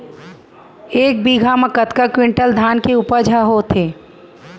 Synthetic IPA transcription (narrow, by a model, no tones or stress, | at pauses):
eːk̚biːɡʱamə̃kət̪kakwɪ̃ɳʈəld̪ʱaːnkeʊpəd͡ʒʱaɦoːt̪ʰeː